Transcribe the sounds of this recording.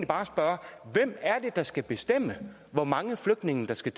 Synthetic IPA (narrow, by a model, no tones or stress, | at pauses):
nlib̥ɑ̈ːsb̥ɶɐʋem̰æɐd̥e̝d̥ɑ̈sɡ̥æb̥e̝sd̥em̰ə | ʋɒmɑ̈ŋəfløɡ̥̚d̥ne̝ŋn̩d̥ɑ̈sɡ̥æt͡sʰ